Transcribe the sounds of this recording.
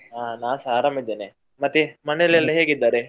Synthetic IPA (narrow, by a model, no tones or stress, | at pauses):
aːnaːsaːɾɐmid̪ːeːne | mɐt̪ːimɐnelɐlːiɦeːɡid̪ːaːɾe